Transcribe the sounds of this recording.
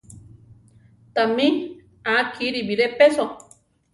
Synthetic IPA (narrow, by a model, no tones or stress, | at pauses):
t̪amĩ | akʰiɾibiɾepeso